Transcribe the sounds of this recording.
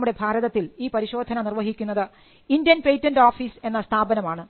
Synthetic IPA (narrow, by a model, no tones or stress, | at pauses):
muɽe̞bʱaːɾɐðɐt̪ːiliːpɐɾiɕo̞ːd̪ʱɐnɐnirʋɐɦikʲːunːɐðɨ | indjɐnpejtːɐnɖoːfiːse̞nːɐst̪ʰaːbɐnɐmaːɳɨ